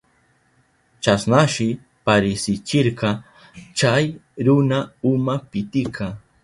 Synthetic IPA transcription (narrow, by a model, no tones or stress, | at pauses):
t͡ʃasnaʃɪ | paɾɪsɪt͡ʃɪɾqɑ | t͡ʃajɾʊnaʊmapɪt̪ɪkʰɑ